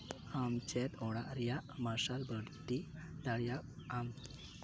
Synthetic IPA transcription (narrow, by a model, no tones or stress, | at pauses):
amt͡ɕɛt̪ɔɽaʔɾjamaɾɕalbəɽt̪i | d̪aɽjaam